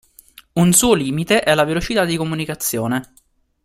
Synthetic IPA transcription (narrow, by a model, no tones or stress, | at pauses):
unsuːoliːmit̪eʔɛlavelot͡ʃit̪ad̪ːikomunikat̪sːjoːne